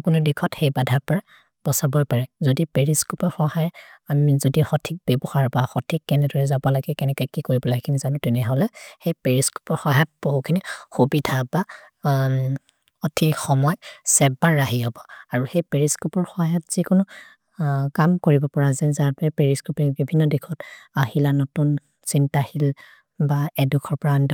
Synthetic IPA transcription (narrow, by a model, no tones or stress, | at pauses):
kʊnudikʰɔthejbadʱapɔɹa | b̥ɔsabɔjpaɹɛzodipeɹiskupɔɹxɔhajamizodixɔtʰik̚bɛbɔxaɹbaxɔtʰikːɛnɛdɔɹɛzabɔlaɡɛkɛnɛkɔjkikoɹibɔlakʰinizanʊtɛnɛɦɔlɛxejpeɹisku̥pɔɹxɔɦjat̚b̥oɦukʰinixubidʱaba | ɔtʰixɔmɔjsɛbaɹːaɦiɦɔbɔaɹuhejpeɹiskupɔɹxɔjatz̥ikʊnʊ | kamkoɹibɔpɔɹazɛnzaɹpɛpeɹiskupɹibibʱinːɔdikʰɔtaɦilanɔtun | sintahil | baɛdukʰɔɹpɔɹand